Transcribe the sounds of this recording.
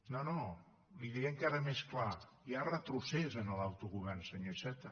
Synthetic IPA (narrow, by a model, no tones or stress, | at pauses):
nono | liðieəŋkaɾəmesklajarət̪ɾusɛzənəlˠawt̪uɣuβɛrnsəɲosɛt̪ə